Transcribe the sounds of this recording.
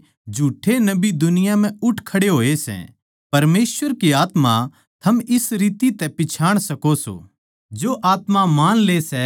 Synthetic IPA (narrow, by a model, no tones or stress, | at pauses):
d͡ʒʱuːʈʰːenɐbid̪ʊnɪjam̤ɛ̃ʊʈʰkʰɐɽeɦoːesɛ̰̃ | pɐɾmeːsʋəɾkiaːt̪ma | t̪ʰɐmɪsɾiːt̪it̪ɛpɪt͡ʃʰaːɽ̃sɐkoso̰ | d͡ʒoʔaːt̪mamaːnlesɛ